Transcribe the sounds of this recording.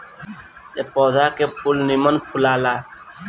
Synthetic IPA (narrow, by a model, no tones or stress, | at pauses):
t̪eːpɔːd̪ʱaːkeːpulnimənpʰʊlaːlaː